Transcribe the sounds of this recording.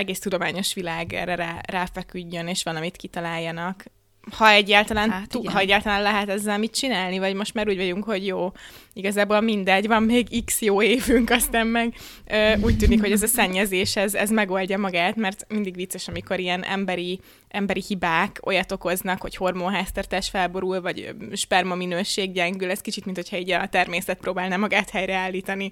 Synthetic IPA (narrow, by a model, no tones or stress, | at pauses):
ɛɡeːst̪ud̪o̞maːɲo̞ʃʋilaːɡɛ̰rɛɾaːraːfɛkyɟːø̞neːʃʋɒlɒmit̪kit̪ɒlaːjːɒnɒk | hɒɛɟːaːlt̪ɒlaːnt̪ɦɒɛɟːaːlt̪ɒlaːnlɛɦɛt̪ɛzːɛlmit̪̚t͡ʃinaːlnivɒɟmo̞ʃt̪maːɾuːɟvɒɟuŋkho̞ɟjoːiɡɒzaːboːlmind̪ɛɟvɒmmeːɡiksjoːeːvyŋkɒst̪aːmmɛɡ | øuːc̚t̪yːnikho̞ɟɛzɒsɛɲːɛzeːʃɛzɛzmɛɡo̞lɟɒmɒɡaːt̪mɛrt̪mind̪iɡʋit̪sːɛʃɒmiko̞ɾijɛnɛ̰mbɛɾi | ɛmbɛɾihibaːko̞jɒt̪o̞ko̞znɒkho̞cho̞rmoːnɦaːst̪ɛrt̪aːʃfɛlbo̞ɾulvɒɟʃpɛrmominøːʃeːɡɟɛŋɡylɛskit͡ʃit̪minho̞cʰhɒiːɟɒt̪ɛrmeːsɛt̪̚pɾoːbaːlnaːmɒɡaːt̪hɛjɾɛaːlːiːt̪ɒni